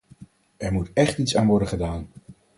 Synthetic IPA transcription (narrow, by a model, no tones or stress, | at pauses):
ɛɹmutɛχtitsaːnʋɔɹdənχədaːn